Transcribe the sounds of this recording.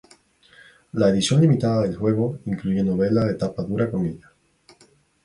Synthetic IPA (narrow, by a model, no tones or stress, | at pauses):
lae̞ðisjo̞nlimit̪aðaðe̞lxwe̞ɣo̞iŋkluʝe̞no̞βe̞laðe̞t̪apaðuɾakomiða